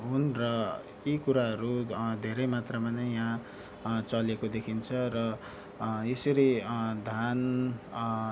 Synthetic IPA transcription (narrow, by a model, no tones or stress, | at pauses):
ɦunrʌ | jikuɾaɦʌɾud̪ʱeɾʌjmat̪rʌmanʌjaã | t͡sʌlekod̪ekʰint͡sʰʌrʌ | esʌɾid̪ʱan